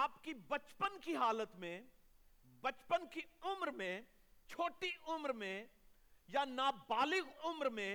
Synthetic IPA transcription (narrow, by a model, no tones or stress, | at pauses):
aːpkibɐt͡ʃpənkiɦaːlət̪mẽ | bɐt͡ʃpənkiʊmɾmẽ | t͡ʃʰoːʈiʔʊmɾmẽ | janaːbaːlɪɡʊmɾmẽ